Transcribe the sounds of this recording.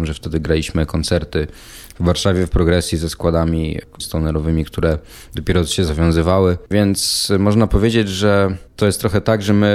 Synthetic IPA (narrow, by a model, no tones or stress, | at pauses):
mʐɛft̪ɛd̪ɘɡɾalʲiɕmɘkɔnt̪sɛɾt̪ɘ | vːaɾʂavʲjɛfpɾɔɡɾɛsʲjizɛskwad̪amʲi | st̪ɔnɛɾɔvɘmʲikt̪uɾɛ | d̪ɔpʲjɛɾɔɕɛzavʲjɔ̃w̃zɘvawɘvʲjɛnt̪smɔʐnapɔvʲjed͡ʑed͡ʑʐɛt̪ɔjɛst̪ːɾɔxɛt̪aɡʐɛmɘ